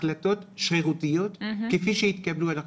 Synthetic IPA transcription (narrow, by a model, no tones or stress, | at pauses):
lat̪o̞t̪ʃʁeʁut̪ijo̞t̪kefiʃejit̪kabluada